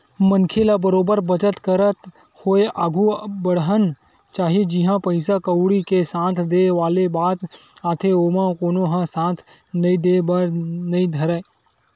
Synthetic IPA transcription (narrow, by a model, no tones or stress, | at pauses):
mənkʰelabəɾoːbəɾbət͡ʃət̪kəɾət̪ | hoːeʔaːɡʱubəɽɦən | t͡ʃaːɦied͡ʒiɦãpəɪsakəwɽikesãːt̪ʰd̪eːʋaːlebaːt̪aːt̪ʰeoːmãkoːnoɦãsãːt̪ʰ | nɐĩd̪eːbaɾnɐĩd̪ʱɐɾə